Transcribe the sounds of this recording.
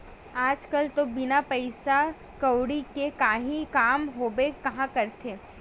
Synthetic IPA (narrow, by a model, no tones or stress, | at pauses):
aːd͡ʒkɐlt̪obɪnapɐɪsa | kɐwɽikekaːɦĩkaːmɦoːbekɐɦãkɐɾt̪ʰeː